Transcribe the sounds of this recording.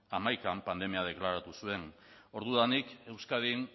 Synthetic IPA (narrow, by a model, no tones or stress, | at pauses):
amajkampand̪e̞miað̞e̞klaɾat̪usue̞n | o̞ɾðuðanike̞wskaðin